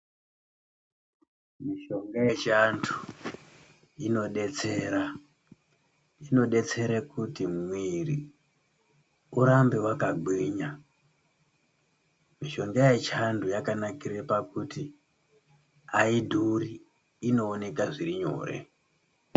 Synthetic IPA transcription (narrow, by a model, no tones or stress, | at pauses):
miʃo̞ŋɡajet͡ʃantʰu̥ | ino̞ɗe̞t͡se̞ɾa | ino̞ɗe̞t͡se̞ɾekutimwiri | uɾambe̞wakaɡʱwiɲa | miʃo̞ŋɡajet͡ʃandujakanakirepakuti | aidʱuɾiː | no̞ːne̞kaʐiriɲo̞̰ːre̞̰